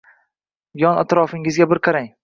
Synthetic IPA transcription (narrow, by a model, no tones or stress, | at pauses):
bjɒna̰t̪ɾɒfɪŋɪzɡʲabɪɾqʰɑɾaŋ